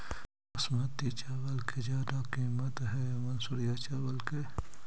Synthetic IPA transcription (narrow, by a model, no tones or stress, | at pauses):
ɐsmɐt̪ːit͡ʃawɐlkʰed͡ʒaːd̪akiːmɐt̪ɦemɐnsuɾjat͡ʃawɐlke